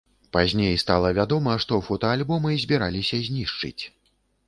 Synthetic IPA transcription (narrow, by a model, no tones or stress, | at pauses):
pazʲnʲejst̪alˠɐvʲad̪ɔmɐʂt̪ɔfɔt̪ɐalʲbɔmɨzʲbʲiɾalʲisʲɐzʲnʲiʂt͡ʂɨ̰t͡sʲ